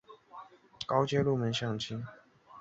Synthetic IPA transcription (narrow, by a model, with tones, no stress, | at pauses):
kɑ˥ʊt͡ɕjɛ˥lu˥˨mə˧˥nɕjɑ˥˩ŋt͡ɕʰi˥n